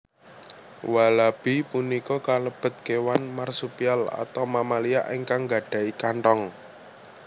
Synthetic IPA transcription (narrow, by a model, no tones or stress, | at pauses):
walab̥ipunikɔkaləb̥ə̤t̪̚kewanmarsupiala̰t̪awmamalia̰ʔeŋkaŋɡa̤ɖ̥ä̤ikaɳʈɔŋ